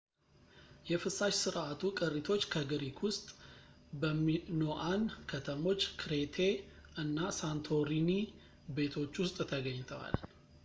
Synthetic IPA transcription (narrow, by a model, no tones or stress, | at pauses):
jɛfɨsːaʃsɨɾʔat̪ʰukʼɨrːit̪ʰo̞t͡ʃːkʰəɡɨɾikʰwʊst̪ʼ | bəmːinoʔankʰət̪ʰəmo̞t͡ʃːkʰɾe̞t̪ʰeɨnːasant̪ʰo̞ɾini | be̞t̪ʰo̞t͡ʃːwʊst̪ʼt̪ʰəɡəɲːt̪ʰəwa̰l